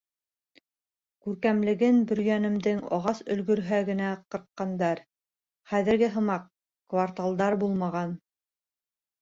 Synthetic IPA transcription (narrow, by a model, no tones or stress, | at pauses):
kʉɾkæmlɘ̆ɡɘnbɵ̆ɾjænɘ̆md̪ɘŋɑ̰ʁɑsɵ̆lɡɵ̆ɾɦæɡɘ̆næqɤ̆ɾt̪qːɑnd̪ɑɾ | χæðɘ̆ɾɡɘɦɤ̆mɑq | kvart̪alˠd̪ɑɾbulˠmɑʁɑn